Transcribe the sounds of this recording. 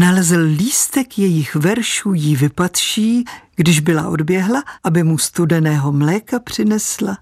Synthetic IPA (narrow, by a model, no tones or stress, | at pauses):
nalɛzlliːst̪ɛkjɛjɪxvɛɾʃuːjɪvɪpat̪ʃiːɡ̥dɪʒbɪla̰ʔo̞dbjɛɦlaʔabɪmust̪udɛnɛːɦo̞mlɛːkapr̝̥ɪnɛsla